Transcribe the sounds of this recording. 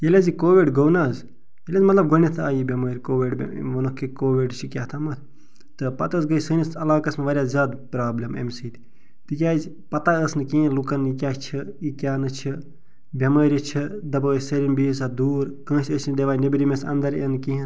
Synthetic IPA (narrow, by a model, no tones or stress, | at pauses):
jelʲazikoːʋiɖɡownaːz | jelʲaːzmɐt̪lɐb̚ɡonʲit̪ʰaːjibʲɐmɐːɾʲkoːʋiɖb̰ʋɐnokːikoːʋiɖt͡ʃʰikʲjaːt̪ʰamɐt̪ʰ | t̪ɨpɐt̪əsɡəisəːnʲɐsɐlaːkɐsmeʋɐɾʲjaːzʲaːd̪pɾaːblʲɐmḛmʲsiːt̪i | t̪ɨkʲaːz | pɐt̪aəsnɨkĩːĩlukɐnjikʲaːt͡ʃʰiikʲjaːnɨt͡ʃʰi | bʲɐməːɾʲit͡ʃʰid̪ɐbɐsɐɾinbiːsad̪uːɾkə̃ːsʲət͡ʃʰnɨd̪ʲeʋaːjnebiɾimesɐ̰nd̪ɐɾenkiɦĩ